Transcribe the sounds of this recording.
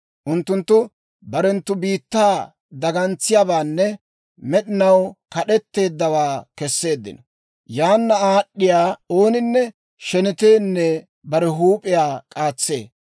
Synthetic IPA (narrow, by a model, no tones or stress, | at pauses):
ʔʊnt̪ːʊnt̪ːʊ | bɐɾɛnt̪ːʊbiːt̪ːaː | d̪ɐɡɐnt͡sːɪjaːbaːnːɛ | mɛɗɪnɐwkɐɗɛt̪ːe̞ːd̪ːɐwaːkɛsːe̞ːd̪ːɪ̰nɐ | jaːnːɐaːɗːɪjaːo̞ːnɪnːɛ | ʃɛnɪt̪eːnːɛ | bɐɾɛɦuːpʼɪjaːkʼaːt͡sːe̞̰ː